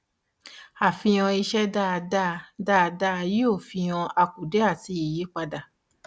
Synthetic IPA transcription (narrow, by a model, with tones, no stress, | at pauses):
a˨fĩ˧j̃ɔ̃˧i˧ʃɛ˦da˦˨˧da˦˨˧da˦˨˧da˦˧ji˦o˦˨fĩ˧j̃ɔ̃˧ʔa˧ku˨de˨˦a˦˨ti˧˦i˨ji˨˦k͡pa˧da˨